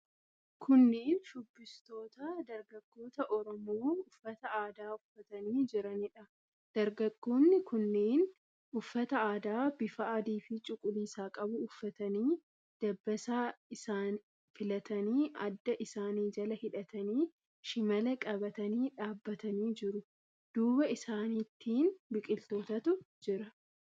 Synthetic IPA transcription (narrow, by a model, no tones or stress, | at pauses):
kʰʊnːeːnʃʊbːɪst̪o̞ːt̪ɐd̪ɐɾɡɐɡ̥ːo̞ːt̪ɐʔɔɾɔmo̞ːʊfːɐt̪ɐaːd̪aːʊfːɐt̪ɐniːd͡ʒɪɾɐnɪᶑɐ | d̪̥ɐɾɡɐɡːo̞ːnːɪkʊnːeːn | ʊfːɐt̪ɐaːd̪aːbɪfɐːd̪iːfɪt͡ʃʼʊkʼʊliːsaːkʼɐbʊːfːɐt̪ɐniː | d̪̥ɐbːɐsaːɪsaːn | fɪlɐt̪ɐniːʔɐ̰d̪ːɐʔɪsaːniːd͡ʒɐlɐhɪᶑɐt̪ɐniː | ʃɪmɐlɐkʼɐbɐt̪ɐniːᶑaːbːɐt̪ɐniːd͡ʒɪɾʊ | d̪̥uːbɐɪsaːniːt̪ːiːnbɪkʼɪlt̪o̞ːt̪ɐt̪ʊ | d͡ʒɪɾɐ